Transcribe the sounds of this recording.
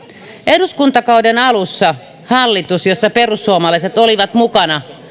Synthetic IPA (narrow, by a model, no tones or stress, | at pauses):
ʔeduskunt̪ɑkɑudenɑlusːɑ | hɑlːit̪usjosːɑperusːuomɑlɑˑiset̪oliʋɑt̪mukɑnɑ